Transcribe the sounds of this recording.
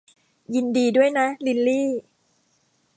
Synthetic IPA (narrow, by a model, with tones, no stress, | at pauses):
ji˧ndiː˧du˥˩əjna˦˥li˧lːiː˥˩